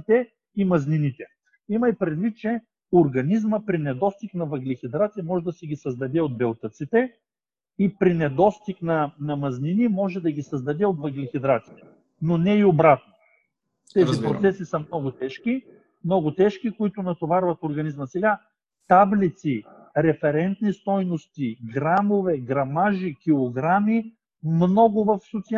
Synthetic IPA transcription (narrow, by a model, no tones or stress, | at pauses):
t̪ɛ | imɐzninit̪ɛ | imɐjpɾɛd̪vit̪̚t͡ʃɛ | oɾɡɐnizməpɾinɛd̪ɔst̪iknɐvɐɡlixʲid̪ɾat̪siɐmɔʒɛd̪ɐsɛɡʲisɐzd̪ɐd̪ɛod̪̚bɛlˠt̪ət̪sit̪ɛ | ipɾinɛd̪ɔst̪iknɐnɐmɐzninimɔʒɛd̪ɐɡʲisɐzd̪ɐd̪ɛot̪vɐɡlixid̪ɾat̪si̥t̪ɛ̥ | nonɛiobɾat̪̚no | t̪ɛzipɾosɛsisəmnɔɡʊt̪ɛʃki | mnɔɡʊt̪ɛʃkikoit̪ʊnɐt̪ovaɾvɐt̪oɾɡɐnizməsɛɡa | t̪ablit̪si | ɾɛfɛɾɛnt̪nist̪ɔjnost̪iɡɾamovɛɡɾɐmaʒikʲilˠoɡɾami | mnɔɡʊvɐfsot̪si